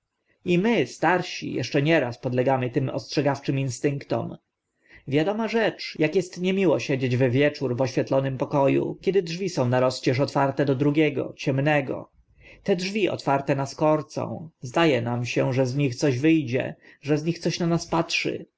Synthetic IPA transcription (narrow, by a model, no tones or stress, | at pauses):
imɘst̪aɾɕḭjɛ̰ʂt͡ʂɛɲɛɾaspɔd̪lɛɡamɘt̪ɘmɔ̰stʂɛɡaft͡ʂɘminst̪ɘŋkt̪ɔ̰m | vʲjad̪ɔmaʐɛt͡ʂjakjɛst̪ɲɛmʲiwɔɕɛd͡ʑed͡ʑvɛvʲjɛt͡ʂuɾvɔɕfʲjɛt̪lɔnɘmpɔkɔjṵkʲjɛd̪ɘdʐvʲisɔ̃w̃naɾɔst͡ɕɛʂɔt̪faɾt̪ɛd̪ɔd̪ɾuɡʲɛɡɔ̰t͡ɕɛmnɛɡɔ̰ | t̪ɛdʐvʲiʔɔ̰t̪faɾt̪ɛnaskɔɾt̪sɔ̰̃w̃zd̪ajɛnamɕɛʐɛzɲixt̪sɔʑvɘjd͡ʑɛ̰ | ʐɛzɲixt̪sɔɕnanaspatʂɘ̰